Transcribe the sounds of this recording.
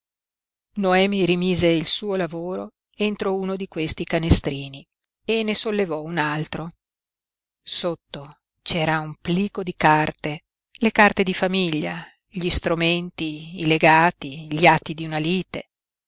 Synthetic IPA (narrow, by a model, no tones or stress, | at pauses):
noɛːmiɾimiːzeilsuːolavoːɾo | ent̪ɾouːnod̪ikwest̪ikanest̪ɾiːni | enːesolːevɔunalt̪ɾo | sot̪ːo | t͡ʃɛːɾaumpliːkod̪ikart̪e | lekart̪ed̪ifamiʎːa | ʎist̪ɾument̪iːleɡaːt̪iʎiat̪ːid̪iunaliːt̪e